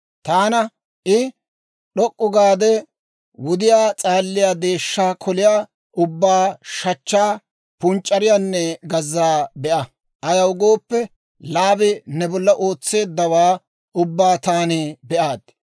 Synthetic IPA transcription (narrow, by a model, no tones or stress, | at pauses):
t̪aːnɐ | ʔɪ | ɗɔkʼːʊɡaːd̪ɛ | wʊd̪ɪjaːt͡sʼaːlːɪjaːd̪e̞ːʃːaːkʰɔlɪjaː | ʊbːaːʃɐt͡ʃːaː | pʊnt͡ʃʼːɐɾɪjaːnːɛɡɐzːaːbɛʔɐ | ʔɐjɐwɡo̞ːpːɛ | laːbɪnɛbɔlːɐʔo̞ːt͡sːe̞ːd̪ːɐwaː | ʊbːaːt̪aːnɪbɛʔaːd̪̥